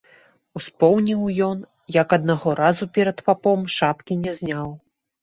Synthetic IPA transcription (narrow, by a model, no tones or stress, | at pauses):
uspɔwnʲiwjɔn | jɐkɐd̪̚naɣɔɾazupʲɛɾɐt̪papɔmʂapkʲinʲɛzʲnʲaw